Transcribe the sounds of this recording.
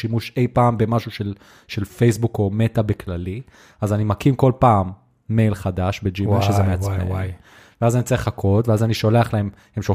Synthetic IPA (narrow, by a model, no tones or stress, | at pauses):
ʃimuʃe̞jpaːmbe̞maʃuʃe̞l | ʃe̞lfejsbuko̞metabeklali | azanimakimko̞lpaːmː | e̞jlχadaʃbed͡ʒiaʃezzemeat͡sḛ | veazanit͡saeχlakʰo̞tveazaniʃo̞leaχlae̞m | hemʃo